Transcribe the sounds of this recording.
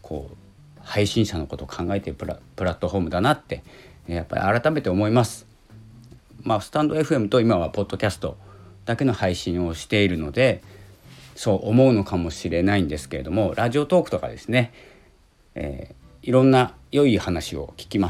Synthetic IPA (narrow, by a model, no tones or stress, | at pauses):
kʰo̞̰ː | haiɕĩɰ̃ɕano̞ko̞t̪o̞kʰãŋɡae̞t̪e̞ɾɯpɯɾapɯ̟ɾat̪ːo̞ɦo̞ːmɯ̟d̪anat̪ːe̞ | japːa̰ɾʲʔḭaɾat̪ame̞t̪e̞omo̞imasɨ̥ | masɨ̥t̪ãnd̪o̞e̞ɸɯ̟e̞mɯ̟t̪o̞imaβapo̞d̪̥ːo̞kʲasɨ̥t̪o̞d̪̥ake̞no̞haiɕĩɰ̃o̞ɕi̥t̪e̞iɾɯ̟no̞d̪e̞ | so̞ːʔomo̞ɯ̟no̞kamo̞ɕiɾe̞naĩnd̪e̞sɨ̥ke̞ɾe̞d̪o̞mo̞ɾʔaʑio̞t̪o̞ːkɯ̟t̪oka̰d̪e̞sɨne̞ | ḛː | iɾõ̞nːa | jo̞ihanaɕio̞̰kʲi̥kʲimḁ